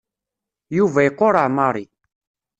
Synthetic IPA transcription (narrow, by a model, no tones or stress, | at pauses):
juvæjəqːoɾˤaʕmɑɾˤi